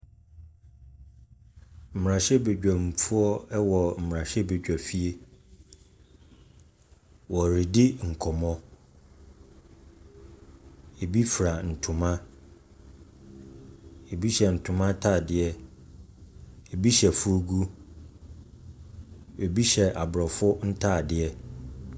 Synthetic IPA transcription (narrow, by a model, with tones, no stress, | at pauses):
m̩˨m˨ã˨ɕɛ˦be˨d͡ʑᶣa˨m˨fu˦ɔ˦wɔ˨m̩˨m˨ɾã˨ɕɛ˦be˨d͡ʑᶣa˨fi˦e˦ | wɔ˨ɾi˨dɪ˦ŋ̩˨kʰɔ˨mɔ̃˦ | e˨bi˦fɾa˨n̩˨tʰʊ̃˨mã˦ | e˨bi˦ɕɛ˨n̩˨tʰʊ̃˨mã˦tʰaː˦˨dɪ˨ɛ˦ | e˨bi˦ɕɛ˨fʊ˦ɔ˦ɡu˦ | e˨bi˦ɕɛ˨ʔa˨bɾɔ˨fʊ˦n̩˦tʰaː˦˨dɪ˨ɛ˦